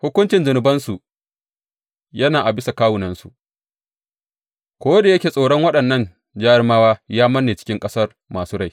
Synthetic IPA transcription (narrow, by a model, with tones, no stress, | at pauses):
hʊ˦kʷʊ˦nt͡ʃɪ˨nd͡ʒʊ˨nʊ˨bɐ˦nsu˨ | jɐ˦naː˨ʔa˨bɪ˦sa˨kaː˦wʊ˨nɐ˦nsṵ˨ʔ | kʷoː˦da˨jɐ˦kʲeː˨sʼoː˨ɽɔ˦ŋwɐ˦ɗɐ˨nːɐ˦˨n | d͡ʒaː˦ɽmaː˦waː˦jaː˦mɐ˦nːeː˨t͡ʃɪ̥˦kʲɪ˦ŋkʼɐ˦sɐ˦r | maː˨suː˦ɽa˦˨j